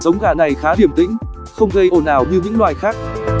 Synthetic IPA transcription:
zə˨˦wŋ͡mɣaː˧˩na˨˩jxaː˨˦ɗi˧˩əmt̪ḭ˧˥ŋ̟ | xə˧wŋ͡mɣə˧jʔo˨˩nːaː˨˩wɲɨ˧ɲɨ̰˧˥ŋlwaː˨˩jxaː˦˥k̚

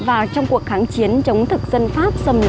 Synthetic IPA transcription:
vaː˨˩wt͡ɕɔ˧wŋ͡mku˨˩ək̚xaː˨˦ŋt͡ɕi˨˦ənt͡ɕə˨˦wŋ͡mt̪ʰɨ˨˩k̚zə˧nfaː˦˥p̚sə˧mn

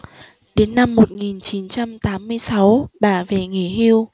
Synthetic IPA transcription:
ɗe˨˦nːa˧mːo˨˩t̚ŋi˨˩nt͡ɕi˨˦nt͡ɕa˧mt̪aː˨˦mːɨ˧əjsa˨˦wɓaː˧˩ve˨˩ŋe˧˩ɦi˧w

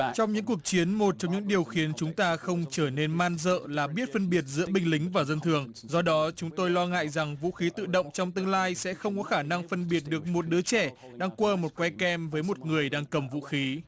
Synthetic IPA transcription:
t͡ɕɔ˧wŋ͡mɲɨ̰˧˥ku˨˩ək̚t͡ɕi˨˦ənmo˨˩t̚t͡ɕɔ˧wŋ͡mɲɨ̰˧˥ŋɗi˨˩əwxi˨˦ənt͡ɕʊ˨˦ŋ͡mt̪aː˧xə˧wŋ͡mt͡ɕəː˧˩ne˧nmaː˧nzə̰ː˧˨laː˨˩ɓi˦˥ət̚fə˧nɓi˨˩ət̚zɨ̰˧˥əɓï˨˩ŋ̟lï˨˦ŋ̟vaː˨˩zə˧nt̪ʰɨ˨˩əŋ | zɔ˧ɗɔ˨˦t͡ɕʊ˨˦ŋ͡mt̪o˧jlɔ˧ŋa̰ː˧˨jza˨˩ŋvṵ˧˥xi˨˦t̪ɨ̰˧˨ɗə̰˧˨wŋ͡mt͡ɕɔ˧wŋ͡mt̪ɨ˧əŋlaː˧jsɛ̰˧˥xə˧wŋ͡mkɔ˨˦xaː˧˩na˧ŋfə˧nɓi˨˩ət̚ɗɨ˨˩ək̚mo˨˩t̚ɗɨ˨˦ət͡ɕɛ˧˩ | ɗaː˧ŋkwəː˧mo˨˩t̚kwɛ˧kɛ˧mvəː˨˦jmo˨˩t̚ŋɨ˨˩əjɗaː˧ŋkə˨˩mvṵ˧˥xi˨˦

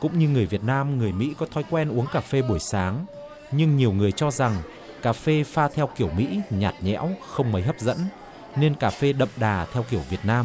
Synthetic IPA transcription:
kʊ̰˧˥ŋ͡mɲɨ˧ŋɨ˨˩əjvi˨˩ət̚naː˧mŋɨ˨˩əjmḭ˧˥kɔ˨˦t̪ʰɔ˨˦jkwɛ˧nʔu˨˦əŋkaː˧˩fe˧ɓo˧˩jsaː˨˦ŋ | ɲɨ˧ŋɲi˨˩əwŋɨ˨˩əjt͡ɕɔ˧za˨˩ŋ | kaː˨˩fe˧faː˧t̪ʰɛ˧wki˧˩əwmḭ˧˥ɲaː˨˩t̚ɲɛ̰˧˥wxə˧wŋ͡mmə˨˦jɦə˦˥p̚zə̰˧˥n | ne˧nkaː˨˩fe˧ɗə̰˧˨mɗaː˨˩t̪ʰɛ˧wki˧˩əwvi˨˩ət̚naː˧m

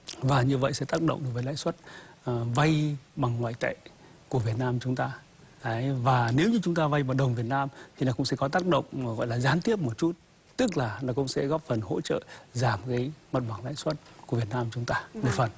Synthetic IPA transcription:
vaː˨˩ɲɨ˧və̰˧˨jsɛ̰˧˥t̪aː˦˥k̚ɗə̰˧˨wŋ͡mʔɗkvəː˨˦la̰ː˧˨jswə˦˥t̚ | va˧jɓa˨˩ŋːwaː˧˨jt̪ə̰˧˨j | ku˧˩əvi˨˩ət̚naː˧mt͡ɕʊ˨˦ŋ͡mt̪aː˧˨˦ | vaː˨˩ne˨˦wɲɨ˧t͡ɕʊ˨˦ŋ͡mt̪aː˧va˧jɓa˨˩t̚ɗə˨˩wŋ͡mvi˨˩ət̚naː˧mt̪ʰi˨˩nɔ˨˦kʊ̰˧˥ŋ͡msɛ̰˧˥kɔ˨˦t̪aː˦˥k̚ɗə̰˧˨wŋ͡mɣɔ̰˧˨jlaː˨˩zaː˨˦nt̪i˦˥əp̚mo˨˩t̚t͡ɕu˦˥t̚ | t̪ɨ˦˥k̚laː˨˩nɔ˨˦kʊ̰˧˥ŋ͡msɛ̰˧˥ɣɔ˦˥p̚fə˨˩nho̰˧˥t͡ɕə̰ː˧˨zaː˧˩mɣə˨˦jmə˨˩t̚ɓaː˨˩ŋla̰ː˧˨jswə˦˥t̚ku˧˩əvi˨˩ət̚naː˧mt͡ɕʊ˨˦ŋ͡mt̪aː˧mo˨˩t̚fə˨˩n

